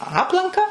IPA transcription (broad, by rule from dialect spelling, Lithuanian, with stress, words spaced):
ˈɑːplˠɐŋkɐ